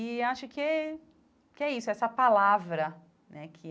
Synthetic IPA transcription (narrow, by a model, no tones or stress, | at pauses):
ɪaʃʊkɪ | kɪɛisʊɛsɐpalavɾɐ | nɛkʰɪ